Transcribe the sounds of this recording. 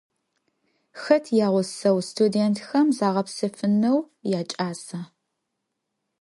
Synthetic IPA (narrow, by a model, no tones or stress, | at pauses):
xɐtʰjaːʁʷʊsɐwstʰudeːntʰxɐmzaːʁɐpsɨfɨnɐw | jaːt͡ʃʼaːsɐ